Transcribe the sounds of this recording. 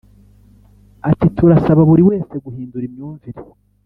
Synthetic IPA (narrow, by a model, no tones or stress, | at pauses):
atitʰuɾasaβaβuɾiwe̞ːse̞ɡuhiːnduɾimɲuːɱviɾe